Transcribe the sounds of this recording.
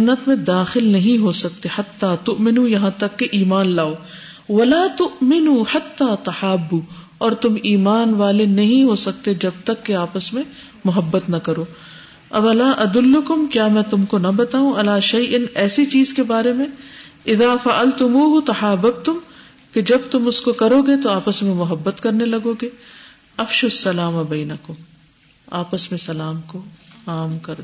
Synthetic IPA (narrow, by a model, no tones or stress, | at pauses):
nːət̪mẽd̪aːxɪlnɐɦĩɦosɐk̚t̪eħɐt̪ːaːt̪ʊʔmɪnuːjɐɦãt̪ɐkːeʔiːmaːnlaːoː | ʋɐlaːt̪ʊʔmɪnuːħɐt̪ːaːt̪ɐħaːbːuː | ɔːɾt̪ʊmiːmaːnʋaːlenɐɦĩɦoːsɐk̚t̪ed͡ʒɐb̚t̪ɐkːeaːpəsmẽ | mʊɦɐbːət̪nɐkɐɾoː | ɐbɐlaːʔɐd̪ʊlːʊkʊmkjaːmɛ̃ːt̪ʊmkonɐbɐt̪aːũʔɐlaːʃɐjʔɪnɛːsit͡ʃiːzkebaːɾemẽ | ɪðaːfɐʔɐlt̪ʊmuːɦʊt̪ɐhaːbɐb̚t̪ʊm | ked͡ʒɐbt̪ʊmʊskokɐɾoɡet̪oaːpəsmẽmʊɦɐbːət̪kɐɾnelɐɡoɡeː | ɐfʃʊsːɐlaːmɐbɐːnɐkʊm | aːpəsmẽsɐlaːmkoaːmkɐɾ